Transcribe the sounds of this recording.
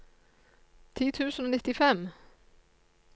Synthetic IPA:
t̪ʰiːt̪ʰʉːsn̩oːnɪt̪ɪfɛm

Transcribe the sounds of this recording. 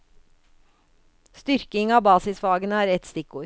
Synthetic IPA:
st̪ʏɾkɪŋɑːbɑːsɪsʋɑːɡənəæːɾɛt̪st̪ɪkuːɾ

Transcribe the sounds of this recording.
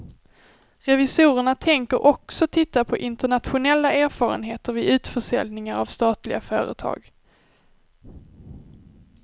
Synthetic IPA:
ɾɛvɪsuːɾəɳat̪ʰɛŋkəɾʔɔksɔt̪ʰɪt̪ːapʰɔʔɪnt̪əɳat̪ɧʊnɛlːaeːɾfɑːɾə̰nɦeːt̪əɾvɪʔʉ̟ːt̪fœʂɛ̰lnɪŋaɾavst̪ɑːt̪lɪɡa̰fœːɾə̰t̪ʰɑ̰ːɡ

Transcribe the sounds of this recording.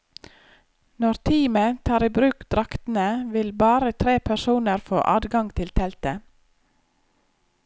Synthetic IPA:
nɔɾt̪ʰiːmət̪ʰɑːɾiːbɾʉːkd̪̥ɾɑkt̪n̩əʋɪlbɑːɾət̪ʰɾeːpʰæʃuːnəɾfo̰ːʔɑːd̪ɡɑŋɡt̪ʰɪlt̪ʰɛlt̪ə

